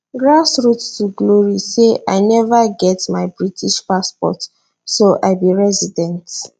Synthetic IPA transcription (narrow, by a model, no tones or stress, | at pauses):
ɡɹasɹutːuɡloɹiseʔa̰ɪnɛvaɡɛtmaɪbɹitʰiʃpaspɔ̰t | soʔaɪbiɹɛzidɛ̃nt